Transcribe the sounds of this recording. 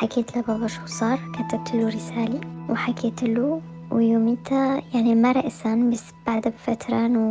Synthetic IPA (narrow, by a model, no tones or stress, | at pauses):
ħakeːt̪labɑbɑʃusˤɑːɾˤkat̪ab̚t̪ʰɪlːuɾɪsaːliwħakʰeːt̪ɪlːu | wɪjumiːt̪ajaʕnimaɾˤɑʔsanbas | b̥aʕd̪abfat̪ɾˤɑn